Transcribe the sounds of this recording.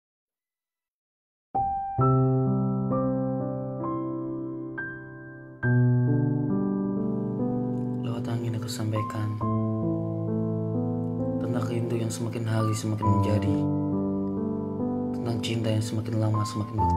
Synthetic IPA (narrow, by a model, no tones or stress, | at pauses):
lawat̪aŋinakəsampajkan | t̪ənakind̪ujaŋsəmakɪnɦalisəmakɪnməɲd͡ʒadi | t̪ənt̪aŋt͡ʃint̪ajaŋsəmakɪnlamasəmakɪnbə